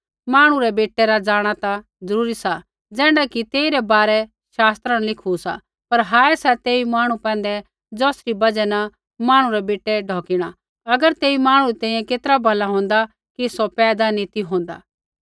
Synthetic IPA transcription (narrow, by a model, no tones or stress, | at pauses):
maːɽ̃ũɾɛbeːʈːɛɾad͡zaːɽ̃at̪a | d͡zɐɾuːɾisa | d͡zɛ̃ːɳɖakit̪eːiɾɛbaːɾɛ | ʃaːst̪ɾãnlɪkʰusa̰ | pɐɾɦaːɛsɛt̪eːimaːɽ̃ũpɛ̃ːn̆d̪ɛ | d͡zɔːsɾibɐd͡ʒɛnɐ | maːɽ̃ũɾɛbeːʈːɛɖʱɔːkɪɽ̃a | ɐɡəɾt̪eːimaːɽ̃uɾit̪ɛ̃ːĩjɛ̃keːt̪ɾabʱɐlaɦõːnd̪a | kisɔpɛːd̪anit̪iɦõːn̆d̪a̰ː